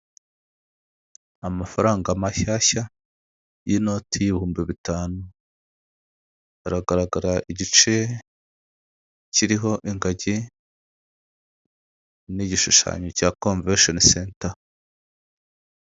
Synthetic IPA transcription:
amafaɾaːŋɡamaçaːça | jino̞tʰijiβihuːmbiβitaːnu | aɾaɡaɾaɡaɾaʔiɟit͡ʃe̞ | ciɾiɦo̞ʔiŋɡaɟi | niɟiʃuʃa̰ːɲocakoɱveʃonsenta

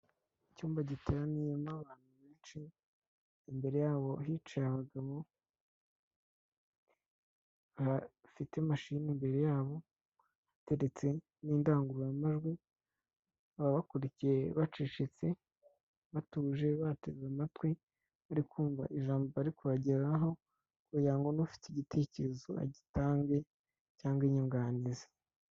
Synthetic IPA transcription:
icuːmbaɟitʰeɾanijemaβaːn̥huβe̞ːnʃi | imbe̞ɾe̞jaːβo̞ɦit͡ʃajaβaɡaβo̞ | βafitemaʃinimbe̞ɾe̞jaːβo̞ | βate̞ɾet͡se̞ | niːndaːŋɡuɾujamaʒɡwi | βaβakuɾicije̞βat͡ʃiːʃit͡se̞ | βatuːʒe̞βateamatwi | aɾikʰuːɱva̰ʔiʒaːmboaɾikuβaɟeɾaɦo̞ | kujaːŋɡonofi̥tiɟitʰe̞ːce̞ɾe̞zo̞a̰ɟitaːŋɡe̞ | caːŋɡwiɲuŋɡaːnizḁ

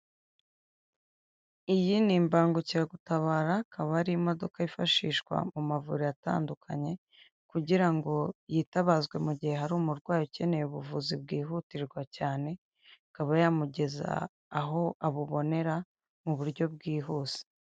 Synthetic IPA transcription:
ijinimbaːŋɡuciɾaɡutaβaːɾakʰaβaɾimo̞do̞kaifaʃiːʃkwa̰mumavṵɾiata̰ːndukʰa̰ɲe̞ | kuɟiɾaŋɡo̞jitaβazɡwe̞muɟihe̞ɦaɾuːmuɾɡwaːjoce̞ne̞juβuvuzib̚ɡiːɦutiɾɡwacaːne̞ | kaβajamuɟe̞za̰ː | ɦo̞aβuβo̞ne̞ɾa | muβuɾɟo̞b̚ɡiːɦuːz̥e̥

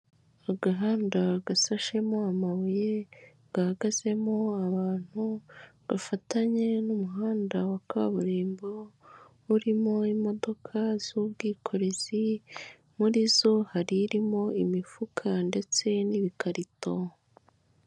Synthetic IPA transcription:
aɡaɦaːndaɡasaʃe̞mo̞amaβuje̞ | ɡ̥ahaɡaze̞mo̞aβaːn̥huβafataɲe̞numuɦaːndawakaβuɾiːmbo | uɾimo̞imo̞do̞kʰaz̥ubɡiːkʰo̞ɾe̞zi | muɾizo̞haɾiɾimo̞imifukʰande̞t͡se̞niβikʰaɾito

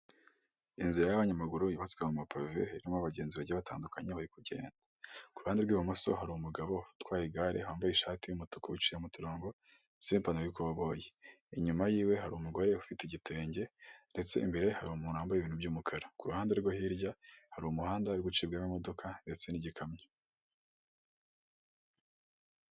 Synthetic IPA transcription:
inziɾajaβaɲamaɡuɾujiβatwemumapʰavḛiɾimoaβaɟe̞ːnziβaɟβata̰ːndukʰaɲeβaɾikuɾɟe̞̰ːndakuɾuhaːndeɾɡwiːβamoso̞̰ɦaɾuumuɡaβo̞twaːjiɡaɾʔḛhwhaːmbajiʃaːtijumutu̥kuut͡ʃijemutiɾoːŋɡo̞ | z̥iimpanajikoβaβo̞je | iɲumajiːwe̞ɦaɾuumuɡo̞ɾe̞ufiteiɟitʰe̞ːɲɟe̞nde̞t͡se̞̰ʔḭmbe̞ɾe̞haɾuumuːnuhaːmbajiβiːnhubɟuːmukʰaɾakuɾuhaːndeɾɡohiɾɟahaɾuumuhaːndaɾiɡut͡ʃiːbɡamamo̞do̞kʰande̞t͡se̞niɟikʰamɲe

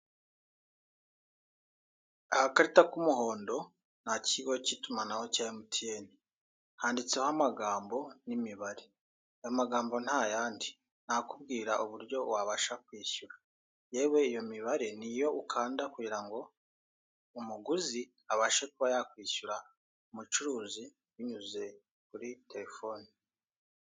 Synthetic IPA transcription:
ahakaɾitakumuɦo̞ːndo̞ | n̥aciɡo̞citumanaho̞caːjimutʰieni | haːndit͡sehamaɡaːmbo̞nimiβaɾe | ajomaɡaːmbo̞n̥hajaːndi | n̥akub̚ɡiːɾaʔuβuɾɟo̞waβaʃakwiːʃuɾḁ | je̞ːwe̞ijo̞miβaɾe̞nijo̞ʔukʰaːndakuɟiɾaŋɡo̞ | umuɡuzi | aβaʃe̞kuβajakwiːʃuɾa | umut͡ʃuɾuːzi | wiɲuze̞ | kuɾite̞ɾefo̞ːni

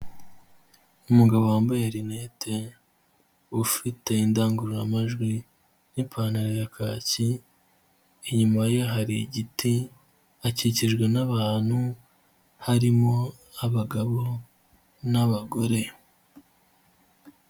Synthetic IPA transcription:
umuɡaβo̞waːmbajeɾinete | ufite̞indaːŋɡuɾujamaʒɡwi | nipʰaːnaɾojakʰaːci | ɲumajeɦaɾiɟiti | aciciʒɡwe̞naβaːn̥hu | haɾimo̞ | aβaɡaβo̞ | naβaɡo̞ɾe̞

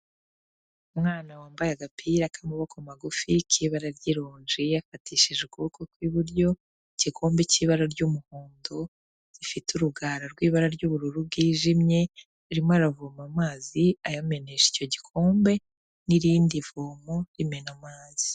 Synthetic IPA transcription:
umŋaːnawaːmbajaɡapʰiɾakʰamuβokʰomaɡufikʰiβaɾaɾɟiɾoːɲʒijafatʰiːʃiʒɡuukokwiβuɾɟo̞ | iɟikʰo̞ːmbeciːβaɾaɾɟumuhuːndo | ɾ̥ifituɾuɡaːɾaɾɡwiːβaɾaɾɟuβuɾuɾub̚ɡiːʒimɲe̞ | ɾimoaɾavumamaːziajame̞ne̞ʃi̥co̞ɟikʰo̞ːmbe̞ | niɾiːndivoːmoɾimɲe̞namaːz̥i̥

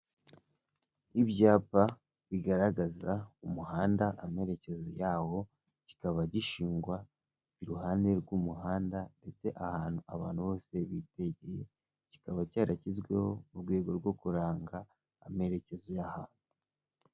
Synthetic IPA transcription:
ibjaːpa | βiɡaɾaɡazaumuhaːndaʔame̞ɾe̞ce̞zojaːho̞ | ci̥kaβaɟiʃiːŋɡwa | iɾuɦaːnde̞ɾɡumuɦaːndande̞t͡se̞ʔahaːnhuaβaːn̥huβo̞ːse̞βite̞ɟeje | ci̥kaβacaːɾʔacizɡwe̞ho̞uɾɡwe̞ːɡo̞ɾɡwo̞kuɾaːŋɡaː | me̞ɾe̞ce̞zojahaːnu

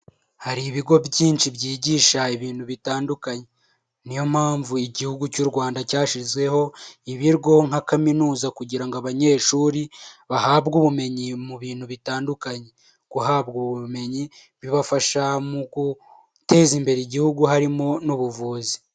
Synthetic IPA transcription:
haɾiβiɡo̞bɟiːnt͡ʃibjiːɟiːʃaiβiːn̥huβitaːndukaɲe̞ | nijo̞m̥haːɱvuiɟihuɡucuɾɡwaːndacaːʃizɡwe̞ho̞iβiɾɡo̞ŋakaminuːzakuɟiɾaŋɡaβaɲe̞ːʃuːɾiβahaːbɡuβume̞ɲimuβiːn̥huβitaːndukaɲe̞ | ɡ̥uɦaːbɡuβume̞ɲi | βiβafaʃamuɡu | te̞ːzimbe̞ɾeiɟihuɡuhaɾimo̞nuβuvuːzi

